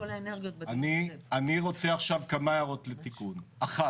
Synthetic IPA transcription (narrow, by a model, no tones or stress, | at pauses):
lneɡioanianiʁo̞t͡se̞aχʃavkamajaʁo̞tlet̪ikunaχa